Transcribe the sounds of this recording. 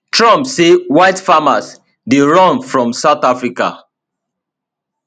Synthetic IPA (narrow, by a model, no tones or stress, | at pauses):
tɹɔ̃mpsewaɪtfamas | deɹɔ̃nfɹɔ̃msaʊθafɹika̰